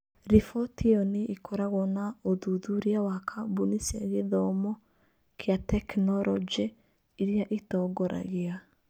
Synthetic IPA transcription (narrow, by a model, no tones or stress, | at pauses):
ɾifɔtiɔneʔikʰɔɾaɣɔnaoðuðuɾiawakʰabunisaɣeðɔmɔ | kjatɛknɔɾʔɔd͡ʒe | iɾiaʔitɔɡɔɾa̰ɣia